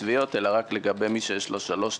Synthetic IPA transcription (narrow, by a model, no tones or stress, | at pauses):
vijo̞t̪elaʁakle̞ɡabejmiʃejɛʃlo̞ʃalo̞ʃ